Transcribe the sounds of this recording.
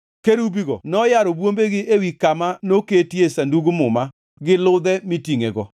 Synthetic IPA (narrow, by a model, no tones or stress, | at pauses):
keɾubiɡɔ̰nɔjaɾɔbwombeɡɪewikamanoketjesanduɡumʊma | ɡɪlʊd̪ɛmitiŋeɡɔ̰